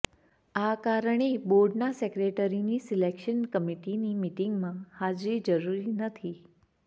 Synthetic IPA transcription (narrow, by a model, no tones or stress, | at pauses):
akaɾəɳ̃eboɾɖnasekɾeʈəɾinisilekʃənkəmiʈinimiʈiŋɡmãhad͡ʒɾid͡ʒəɾuɾinət̪ʰi